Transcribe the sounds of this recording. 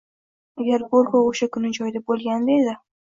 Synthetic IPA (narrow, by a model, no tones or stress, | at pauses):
aɡʲaɾboɾkooʃakʰʊnɪd͡ʒɒjd̪abolˠɡʲand̪aed̪ɪ